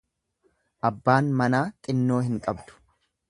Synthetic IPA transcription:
ʔɐbːaːnmɐnaːkʼɪnːo̞ːɦɪŋkʼɐbd̪ʊ̥

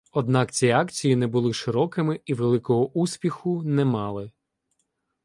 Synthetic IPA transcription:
ɔd̪nɑkt͡sʲiɑkt͡sʲijinɛbʊlˠɪʃɪɾɔkɪmɪiʋelˠɪkɔɦɔʔusʲpʲixʊnɛmɑlˠɪ

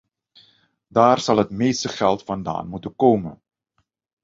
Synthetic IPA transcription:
daːrz̥ɑlˠɦətmeːjstəχɛlˠtfɑnda̰ːnmutənkoːwmə̰n

